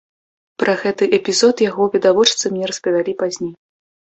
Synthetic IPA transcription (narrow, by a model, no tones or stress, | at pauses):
pɾʔɐɣɛt̪ɨʔɛpʲizɔt̪jaɣɔvʲid̪avɔt͡ʂt̪sɐmʲnʲɛɾɐspɐvʲalʲipazʲnʲej